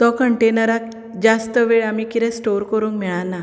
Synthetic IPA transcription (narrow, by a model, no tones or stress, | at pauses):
t̪ɔkəɳʈenəɾak | d͡ʑast̪əʋeɭamikiɾɛ̃sʈoɾkəɾuːŋkmɛɭãna